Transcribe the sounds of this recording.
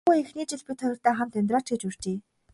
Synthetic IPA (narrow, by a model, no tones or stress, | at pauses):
uexniːt͡ɕɪ̆ɮpʲit̪χœjɞ̆r̥t̪æːχə̆mt̪ʰɵnʲt̪rɔːt͡ɕɡĕt͡ɕur̥t͡ɕeː